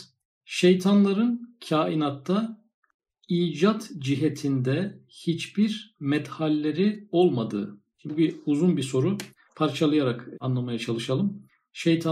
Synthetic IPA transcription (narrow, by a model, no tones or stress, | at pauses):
ʃejt̪ʰanlˠaɾɯncʰaːinat̪ʰːa | iːd͡ʒat̪d͡ʒiɦɛt̪ʰind̪ɛhit͡ʃbiɾmɛt̪halʲːeɾio̞lˠmad̪ɯ̰ː | biuzunbiso̞ɾu | pʰaɾt͡ʃʰalˠɯjaɾakanlˠamajat͡ʃʰalˠɯʃalˠɯm | ʃejt̪ʰa